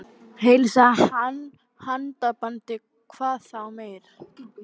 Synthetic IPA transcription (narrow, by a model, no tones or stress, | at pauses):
hejlsahan | hant̪apant̪ɪ | kʰv̥aːθawmejɾ